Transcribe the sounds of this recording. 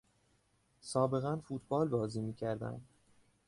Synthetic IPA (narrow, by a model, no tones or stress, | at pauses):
sɒːbe̞ɣænfuːt̪ʰbɒːlbɒːziːmiːcʰæɾd̪æ̰nd̪